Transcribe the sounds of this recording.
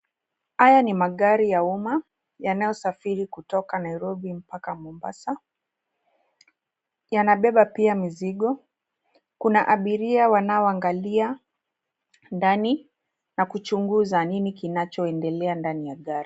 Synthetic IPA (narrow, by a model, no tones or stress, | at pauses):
hajanimaɠaɾijauma | janajɔsafiɾikutɔkanaiɾɔɓim̩pakamɔmba̰sa | janaɓɛɓapiamiziɠɔ | kunaʔaɓiɾiawanaɔaŋɡalia | ndani | nakut͡ʃuŋɡuzaninikinat͡ʃɔɛndɛlɛandanijaɠaɾi